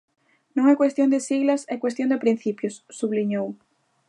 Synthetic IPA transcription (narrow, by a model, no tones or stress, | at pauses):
nõŋɛkwest̪jõnd̪ɪsiɣlɐsɛkwest̪jõnd̪ɪpɾin̟θipjʊsːuβliɲow